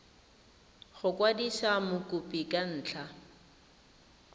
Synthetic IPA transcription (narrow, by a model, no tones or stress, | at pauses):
χʊkʼwadiʃamʊkʼupʼikan̩ːt͡ɬʰa